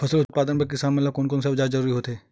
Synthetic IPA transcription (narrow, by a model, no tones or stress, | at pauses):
pʰɐsəlʊt̪t̪̚paːd̪ənpek̬isaːmmelakoːnkoːns̬ebd͡ʒaːd͡ʒɐɾuːɾiɦoːt̪eː